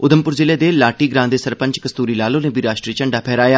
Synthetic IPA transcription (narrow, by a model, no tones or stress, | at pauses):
ʊd̪əmpʊɾzɪleːd̪eːlaːʈiːɡɾãːnd̪eːsəɾpə̃ɲt͡ʃkəst̪uːɾiːlaːlõːnẽːbiːɾaːʃʈɾit͡ʃəɳɖaːpʰɛːɾaːjaː